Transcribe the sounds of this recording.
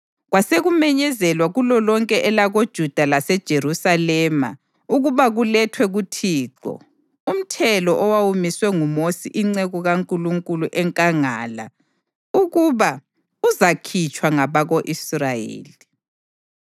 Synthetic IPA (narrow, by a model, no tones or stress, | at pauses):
ɣwaseɣumɛɲɛzɛlwaɣulɔlɔŋkʼɛʔɛlaɣod̥ʒ̥ʱud̥ʱalasɛd̥ʒ̥ʱerusalɛma̰ | uɣuβaɣulɛtʰwɛɣutʰiːǃɔ̰ | um̩tʰɛlɔʔɔwawumiswɛŋumosḭʔiŋ͡ǀɛɣuɣaŋkʼuluŋkʼuluʔɛŋkʼaŋaːla̰ | uɣuβa | uzakʰit͡ʃʼwaŋaβaɣoʔisrajḛːli